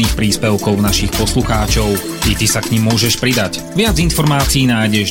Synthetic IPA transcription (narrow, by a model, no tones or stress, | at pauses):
niːxpɾiːspɛʊkɔʊnaʃixpɔsluxaːt͡ʃɔʊ | it̪isakɲimːʊɔʒɛʃpɾid̪ac | ʋɪad͡zinfɔɾmaːt͡siiːnaːjɟɛʒ